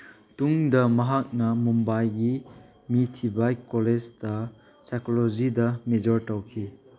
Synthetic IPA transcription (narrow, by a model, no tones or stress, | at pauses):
tuŋdɐmɐɦak̚nɐmumbajɡi | mitʰibajkɔled͡ʒtɐ | sajkolod͡ʒidɐmed͡ʒɔɾtawkʰi